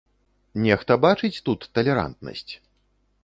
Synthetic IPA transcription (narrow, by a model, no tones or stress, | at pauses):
nʲɛxt̪ɐbat͡ʂɨt͡sʲt̪ut̪ːɐlʲɛɾa̰nt̪nɐ̰sʲt͡sʲ